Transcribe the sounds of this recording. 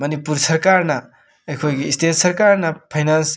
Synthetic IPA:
mɐnipuɾsɐɾkaɾnɐ | ɐjkʰojɡiːstʰet̚sɐɾkaɾnɐpʰajnans

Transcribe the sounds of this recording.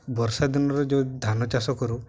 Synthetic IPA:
bɔɾsad̪inɔɾɔd͡ʒed̪ʱanɔt͡ʃasɔkɔɾu

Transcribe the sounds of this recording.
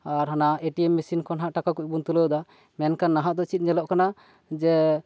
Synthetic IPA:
aɾɦanaʔeʈiɛmːisinkɔnɦaʔʈakakuc̚bunt̪uləwd̪a | mɛnkanːaɦaʔd̪ɔt͡ʃit̪̚ˀɲɛlɔʔkana | d͡ʒɛ

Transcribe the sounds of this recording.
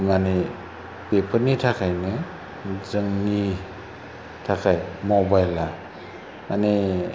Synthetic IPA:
mane | pepʰəɾnitʰakʰajnɯ | zɯŋːi | tʰakʰajmobajla | mane

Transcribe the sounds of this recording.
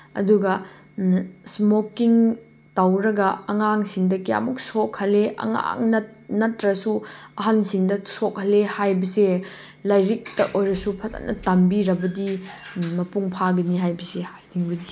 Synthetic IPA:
ɐ̰duɡɐ | smokiŋ | tawɾɐɡɐɐŋaŋsiŋdɐkia̰muk̚sokhɐleʔɐ̰ŋa̰ŋnɐnɐtːɾɐsuɐɦansiŋdɐsok̚hɐlehajbɐse | lɐjɾik̚tɐʔojɾɐsupʰɐza̰nɐ̰tambiɾɐbɐdimɐpuŋpʰaɡɐniɦajbɐsehajdiŋbɐdi

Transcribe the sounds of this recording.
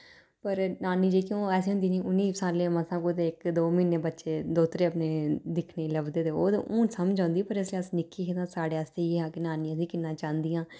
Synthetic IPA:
pəɾnaːniːd͡ʒeːkjõːɛːsĩːɦʊ̃nd̪iːnĩːʊnːiːsaːlːeːmãsãːkot̪eːɪkd̪oːmiːnːeːbətːʃeːd̪oːt̪ɾeːəpneːd̪ɪkʰneːləbd̪eːd̪eːoːd̪̰ʔuːnsəmd͡ʒãːnd̪iːpəɾɪs̬leːəsnɪkːiːkɪt̪ãːsaːɽeːəst̪eːeːɦaːkɪnaːnĩːəs̬ĩːkɪnːãːt͡ʃãːnd̪ɪjãː

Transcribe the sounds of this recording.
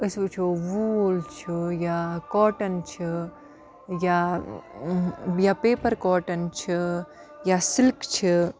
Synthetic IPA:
əsʋut͡ʃʰoʋuoːlt͡ʃʰujakɔːʈɐnt͡ʃʰi | ja | japeːpɐɾkɔːʈɐnt͡ʃʰi | jasilkt͡ʃʰi

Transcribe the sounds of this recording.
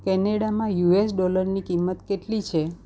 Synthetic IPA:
kɛneɽamãjuesɖɔləɾnikimːət̪keʈlit͡ʃʰe

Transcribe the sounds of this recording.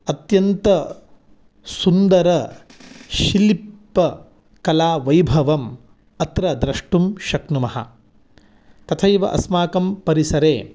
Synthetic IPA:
ɐt̪jɐnt̪ɐ | sund̪ɐɾɐ | ʃilipːɐ | kɐlaːʋɐjbʱɐʋɐm | ɐt̪ɾɐd̪ɾɐʂʈumʃɐknumɐɦɐ̰ | t̪ɐt̪ʰɐjʋɐ̰ʔɐ̰smaːkɐmpɐɾisɐɾeː

